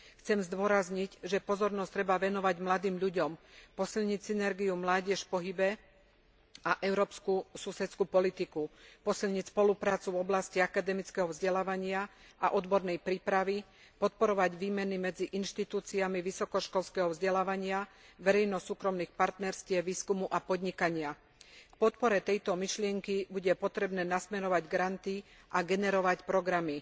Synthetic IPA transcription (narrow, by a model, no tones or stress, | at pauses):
xt͡sɛmzd̪ʊɔɾazɲicʒɛpɔzɔɾnɔst̪ɾɛbaʋɛnɔʋaɟmlad̪iːmʎuɟɔmpɔsilɲicsinɛɾɡiumlaːɟɛʃpɔɦibɛ | aʔɛʊɾɔːpskususɛt̪t͡skupɔlit̪ikupɔsilɲicspɔlupɾaːt͡suvɔblasciakad̪ɛmit͡skɛɦɔvzɟɛlaːʋaɲɪaʔaʔɔd̪bɔɾnɛjpɾiːpɾaʋi | pɔt̪̚pɔɾɔʋaɟʋiːmɛnimɛd͡ziʔinʃt̪it̪uːt͡siamiʋisɔkɔʃkɔlskɛɦɔvzɟɛlaːʋaɲɪaʋɛɾɛjnɔsuːkɾɔmniːxpaɾt̪nɛɾscɪɛʋiːskumuʔapɔd̪ɲikaɲɪa | kpɔt̪pɔɾɛt̪ɛjt̪ɔmiʃlɪɛŋkibuɟɛpɔt̪ɾɛbnɛːnasmɛɾɔʋaɟɡɾant̪i | ʔaɡɛnɛɾɔʋacpɾɔɡɾami